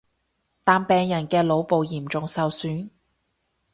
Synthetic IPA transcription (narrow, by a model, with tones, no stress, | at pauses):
t̪aː˨npɛː˨ŋjɐ˨˩nkɛː˧lo˨˧wpo˨wjiː˨˩mt͡ʃʊ˨ŋsɐ˨wsyː˨˥n